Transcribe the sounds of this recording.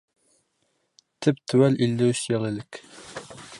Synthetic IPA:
t̪ʰɘpt̪ʰɘwælilːɘɕjɒlˠɘlɘk

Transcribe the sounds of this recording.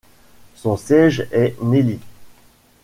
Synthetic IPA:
sɔ̃sjɛʒɛneli

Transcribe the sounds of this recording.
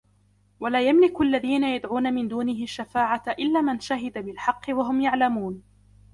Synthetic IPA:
walaːjamlɪkʊʔalːaðiːnajad̪ʕuːnamɪnd̪uːnɪɦɪʃːafaːʕaʔɪlːaːmanʃaɦɪd̪abɪlħɑqːɨwaɦʊmjaʕlamuːn

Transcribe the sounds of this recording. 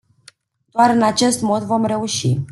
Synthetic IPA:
d̪̥oaɾɨnat͡ʃe̞st̪mo̞d̪vo̞mre̞uʃi

